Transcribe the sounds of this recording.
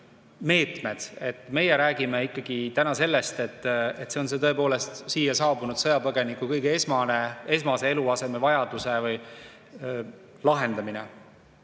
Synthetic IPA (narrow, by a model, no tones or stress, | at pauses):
me̞ːt̪me̞d̪̥e̞t̪ːˑme̞jeɾæːɡ̥imeikːɑɡ̥it̪ænɑse̞lːest̪e̞t̪ːet̪se̞o̞nset̪ɤe̞po̞ːle̞st̪siːjɑsɑːbunud̪̥sɤjɑpɤɡ̥e̞nikːˑukɤjɡeesmɑnee̞smɑse̞e̞luɑse̞mevɑjɑd̪̥use̞vɯj | lɑɦe̞nd̪̥ɑminḛ